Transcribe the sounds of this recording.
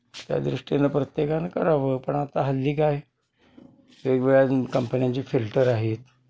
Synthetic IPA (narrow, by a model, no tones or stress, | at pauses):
t̪ja̰d̪ɾuʂʈinəpɾət̪jekankəɾaʋəpəɳat̪aɦəlːiːkaj | ekʋeɭjakəmpənjãɲt͡ɕiːfilʈəɾaɦet̪